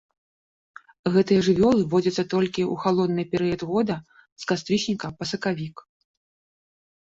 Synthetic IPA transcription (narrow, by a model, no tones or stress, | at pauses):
ɣɛt̪ɨjɐʐɨvʲɔlˠɨvɔd͡zʲɐt̪sːɐt̪ɔlʲkʲiuxalˠɔd̪nɨjpʲɛɾɨjɐd̪ɣɔd̪ɐ | skast̪ɾʲɨʂnʲikɐpɐsɐkavʲik